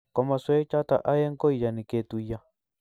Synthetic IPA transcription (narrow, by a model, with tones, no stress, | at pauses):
kɔ˨ma˨swe˦t͡ʃa˦t̪a̰˨ʔa˦je˦ŋ˦ko˦i˨ja˨ni˨ke˦˨t̪u˨ja˦